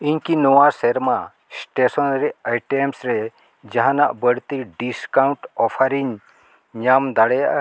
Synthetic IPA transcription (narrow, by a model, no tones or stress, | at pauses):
iɲkinɔwaseɾma | sʈesɔnɾɛajʈemsɾe | d͡ʒaɦãnaʔbəɽt̪iɖiskawɳʈɔpʰaɾiɲ | ɲamd̪aɽɛjaʔ